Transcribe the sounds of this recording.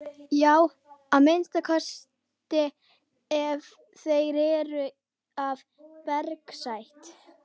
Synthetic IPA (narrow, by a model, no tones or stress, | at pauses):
jaːw | aðmejnst̪akʰœs | t̪ɪ | ɛv | θejɾɛːɾʏ | av | pɛɾksajht̪